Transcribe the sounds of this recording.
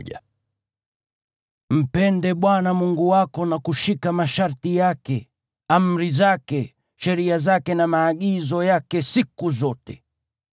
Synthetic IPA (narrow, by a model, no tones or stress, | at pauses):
a | m̩pɛndɛɓwanamuŋɡuwakɔnakuʃikamaʃaɾtijakɛ | am̩ɾizakɛ | ʃɛɾiazakɛnamaːɠizɔjakɛsikuzɔtɛ